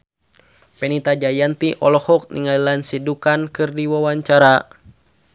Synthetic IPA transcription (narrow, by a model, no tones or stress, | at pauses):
pɛnit̪ad͡ʒajant̪iʔɔlɔhɔk̚nḭŋalilansidukankɨrdiwawaɲt͡ʃaɾa